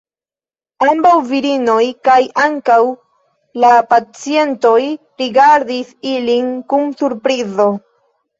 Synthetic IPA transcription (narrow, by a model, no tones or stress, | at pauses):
ambawviɾino̞jkajʔaŋkaw | lapat͡sie̞nto̞j | ɾiɡaɾdisilinkumsuɾpɾizo̞